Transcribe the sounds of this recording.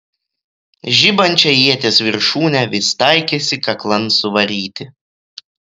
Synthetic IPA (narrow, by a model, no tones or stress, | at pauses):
ʒʲɪbɐnʲt͡ʃʲɛjiɛt̪ʲeːsʋʲɪɾʃuːnʲɛʋʲɪst̪ɐɪkʲesʲɪkɐklˠɐnsʊʋɐɾʲiːt̪ʲɪ